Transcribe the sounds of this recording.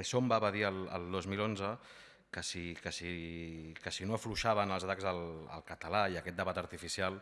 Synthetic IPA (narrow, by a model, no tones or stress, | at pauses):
ɾʃɔmbaβəðiəlˠə̰lˠd̪ozmilonzə | kəsikəsikəsinoəfluʃaβənəlˠzət̪akɡzələ̰lˠkət̪əlaiəkɛt̪d̪əβat̪əɾt̪ifisialˠ